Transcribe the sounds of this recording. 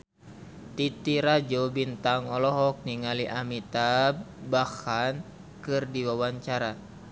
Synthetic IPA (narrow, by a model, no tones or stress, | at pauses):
t̪it̪iɾad͡ʒobint̪aŋɔlɔɦɔk̚niŋaliʔamit̪abbahan | kɨrdiwawaɲt͡ʃaɾa